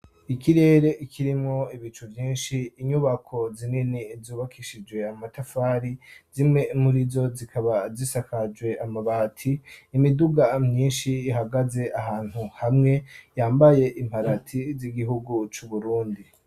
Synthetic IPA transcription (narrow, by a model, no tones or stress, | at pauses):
ikiɾe̞ːɾe̞ʔikʰiɾimŋo̞iβit͡ʃuvjiːnʃiːɲuβakʰo̞zininizuːβakʰiʃid͡ʒwe̞amatafaːɾizimŋe̞muɾizo̞zikʰaβazisakad͡ʒwe̞amaβatʰiːmiduɡamɲiːnʃiːɦaɡaze̞ʔaɦaːn̥huhamŋe̞jaːmbaje̞ʔim̥aɾatʰiziɡiɦuɡut͡ʃuβuɾuːndi